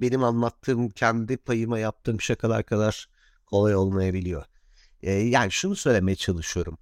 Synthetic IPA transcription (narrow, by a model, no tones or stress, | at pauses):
be̞nimanlˠat̪ʰːɯːmcʰɛnd̪ipʰajɯmajap̚t̪ʰɯːmʰpi̥ʃekʰad̪a̰ɾkʰad̪aɾ̥ | kʰo̞lˠajo̞lˠmajabilʲijo̞̰ | ɛːjaːniʃunusø̞jlʲeme̞jɛt͡ʃʰalˠɯʃɯjo̞ɾum